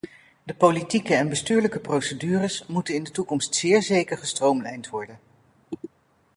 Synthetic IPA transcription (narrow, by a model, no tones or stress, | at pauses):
dəpolitikəɛnbəstyːɹləkəprowsədyːrəsmutənɪndətukɔmstsɪːɹzejkəɹχəstrowmlɛ̰jntʋɔɹdən